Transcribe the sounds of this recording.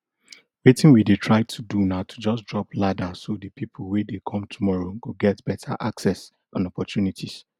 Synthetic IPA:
wetɪ̃nwidetʰɹaɪtʰudunaʊtʰud͡ʒʌsdɹɔpladasodəpʰipʰʊl̩wedekʰɔ̃mtʰumɔɹoɡoɡɛtb̥ɛtʰa̰ʔaksɛs | ãnɔpɔtʰjunitʰis

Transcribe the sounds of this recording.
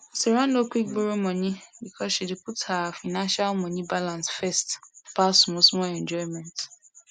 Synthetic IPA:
seɾãndokʷik̚ɡ͡boɾomɔ̃ɲĩbikʰɔsʃideputhafanãnʃalmɔ̃nĩbalãnsfɛstpasũmoswɔ̃ɛ̃nd͡ʒɔimɛ̃nt

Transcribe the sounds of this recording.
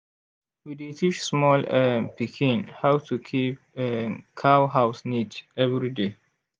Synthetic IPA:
widitʰit͡ʃsmɔlɛpikʰĩnhawtʰukʰip̚ | ɛkʰawɦawsnitɛvɹide

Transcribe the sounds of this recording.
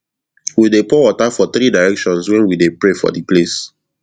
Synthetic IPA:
widepɔwɔtafɔt̪ɾidaɹɛkʃɔ̃nswɛ̃nwidepɹefɔ̰diples

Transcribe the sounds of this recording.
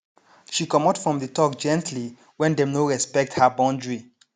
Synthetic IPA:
ʃikɔmɔtfɹɔ̃mðətɔk̚d͡ʒɛ̃ntʰli | wɛ̃ndɛ̃mnoɹɛspɛk̚thabãndɹi

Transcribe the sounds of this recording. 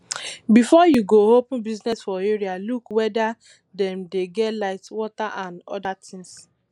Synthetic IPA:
bifɔjuɡoɦopn̩biznɛsfɔeɹialukwɛda | dɛmdeɡɛtlaɪtwɔtaʔãnɔ̰datʰɪ̃ŋs

